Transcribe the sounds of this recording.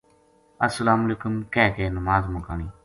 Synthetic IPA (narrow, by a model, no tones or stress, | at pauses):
əsəlaːmleːkʊmkɛːkenəmaːzmʊkaːɳ̃iː